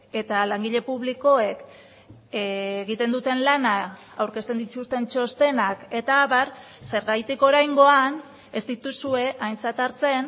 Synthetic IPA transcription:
e̞t̪alaŋɡiʎe̞puβ̞liko̞e̞k | eeɣit̪e̞nd̪ut̪e̞nlana | awɾke̞st̪e̞nd̪it͡ʃ̪ust̪e̞nt͡ʃo̞st̪e̞nake̞t̪aːβaɾ | se̞ɾɣajt̪iko̞ɾajŋɡo̞an | e̞zd̪it̪usue̞ʔajnt͡sat̪aɾt͡se̞n

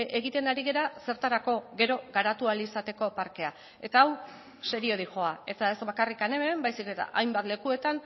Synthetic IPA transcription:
ʔe̞ɣit̪e̞naɾiɣe̞ɾase̞ɾt̪aɾako̞ɣe̞ɾo̞ɣaɾat̪ualisat̪e̞ko̞paɾke̞a | e̞t̪aːw | se̞ɾio̞ðiʝo̞ae̞t̪ae̞zbakarikane̞membajsike̞t̪a̰ʔajmbat̪le̞kue̞t̪an

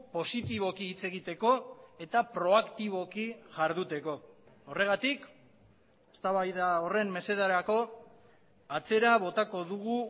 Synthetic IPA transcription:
po̞sit̪iβo̞kiːt͡se̞ɣit̪e̞ko̞e̞t̪apɾo̞akt̪iβ̞o̞kiʝaɾðut̪e̞ko̞ː | re̞ɣ̞at̪ik | est̪aβajðao̞re̞mme̞se̞ðaɾako̞ | at͡se̞ɾaβ̞o̞t̪ako̞ðuɣu

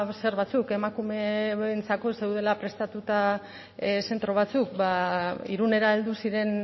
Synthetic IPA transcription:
se̞ɾβat͡suke̞makume̞nt͡sako̞sewðe̞lapɾe̞st̪at̪ut̪a | se̞nt̪ɾo̞βat͡suk̚baiɾune̞ɾaeld̪usiɾe̞n

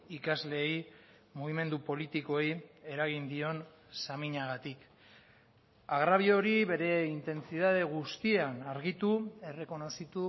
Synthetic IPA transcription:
ikazle̞j | muɣime̞nd̪upo̞lit̪ikoeje̞ɾaɣ̞ind̪io̞n | samiɲaɣ̞at̪ik | aɣɾaβ̞io̞ɾiβe̞ɾe̞int̪e̞nt͡siðað̞e̞ɣ̞ust̪ianaɾɣit̪ue̞re̞ko̞no̞sit̪u

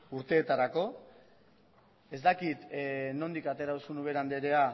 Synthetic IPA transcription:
uɾt̪e̞ːt̪aɾako̞ | e̞zd̪akit̪no̞nd̪ikat̪e̞ɾaðusunuβ̞e̞ɾand̪eɾe̞a

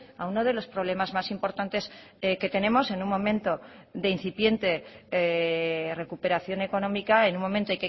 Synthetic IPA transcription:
auno̞ð̞e̞lo̞spɾo̞β̞le̞mazmasimpo̞ɾt̪ant̪e̞ske̞t̪e̞nẽ̞mo̞se̞nunmõ̞mẽnt̪o̞ðe̞in̟θipje̞nt̪e̞ | re̞kupe̞ɾaθjo̞ne̞ko̞nõ̞mikae̞nũmo̞mẽnt̪oajke

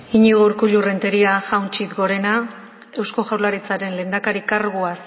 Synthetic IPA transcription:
iɲiɣouɾkuʎure̞nt̪e̞ɾiaʝawnt͡ʃit̪ɡo̞ɾe̞na | e̞wsko̞ʝawlaɾit͡saɾe̞nle̞nd̪akaɾikaɾɣuas

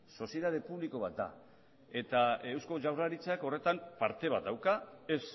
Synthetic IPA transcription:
so̞sje̞ðað̞e̞puβliko̞β̞at̪̚d̪a̰ | e̞t̪ae̞wsko̞ʝawraɾit͡sako̞re̞t̪ampaɾt̪e̞β̞at̪̚d̪awkaes

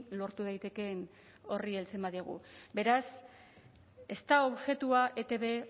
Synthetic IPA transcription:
lo̞ɾt̪uð̞ajt̪e̞ke̞n | o̞rie̞lt͡se̞mbaðiaɣ̞ṵbe̞ɾas | e̞st̪ao̞βʝe̞t̪uaʔe̞t̪e̞βe̞

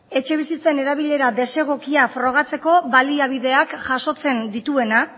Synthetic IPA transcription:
e̞t͡ʃe̞β̞isit͡se̞ne̞ɾaβ̞iʎe̞ɾad̪e̞se̞ɣ̞o̞kiafɾo̞ɣ̞at͡se̞ko̞βaliaβ̞iðe̞akʝaso̞t͡se̞nd̪it̪ue̞na

